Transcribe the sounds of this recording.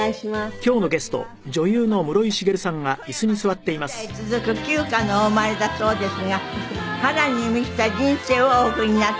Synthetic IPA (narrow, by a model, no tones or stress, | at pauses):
kʲo̞ːno̞ɡe̞sɨ̥t̪o̞̰ | d͡ʑo̞jɯːno̞mɯ̟ɾo̞iɕiɡe̞ɾɯ̟sãŋɡaisɨɲ̟isɨβat̪ːe̞imasɨ̥it͡sɨzɨkɯ̟kʲɨːkanoːmaɾed̪aso̞ːd̪e̞sɨɡahad̪aɲ̟ːimikʲi̥t̪ad͡ʑĩɰ̃se̞ːooːkɯ̟ɲ̟ina